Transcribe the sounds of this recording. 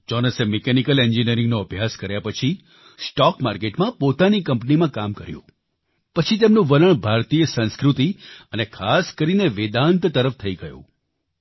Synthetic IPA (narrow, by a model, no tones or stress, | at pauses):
d͡ʒɔnəsemekɛnikəlend͡ʒiniəɾɪ̃ŋɡnoəbʱjaskəɾjapət͡ʃʰi | sʈɔkmaɾkeʈmãpot̪anikəmpnimãkamkəɾjṵ̃ | pət͡ʃʰit̪̬emnũʋəɾəɳbʱaɾt̪ijesə̃nskɾut̪iənekʰaskəɾineʋed̪ant̪t̪əɾəft̪ʰəiɡəjṵ̃